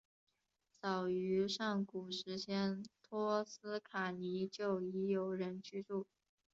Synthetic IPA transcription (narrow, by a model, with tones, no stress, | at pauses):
sɑ˨˩ʊy˧˥ʂɑ˥˩ŋku˨˩ʂɻ̩˧˥ɕʰjɛ˥nt̪ʰɔ˥sɹ̩˥kʰa˨˩ni˧˥t͡ɕjo˥˩ʊi˧˥jo˧˥ʊɻə˧˥nt͡ɕy˥ʈ͡ʂu˥˩